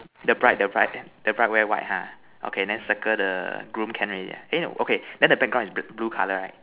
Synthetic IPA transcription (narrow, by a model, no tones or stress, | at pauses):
dəbɹaɪt̚dəbɹaɪt̚dəbɹaɪt̚wɛwa̰ɪt̚hã̰ | ʔo̰kʰẽndɛ̃nsəkədəɡɹũmkʰɛ̃nɹia̰ʔɛ̃no̰ʔokʰedɛ̃ndəbɛk̚ɡɹãnisbblukʰaləɹaɪt̚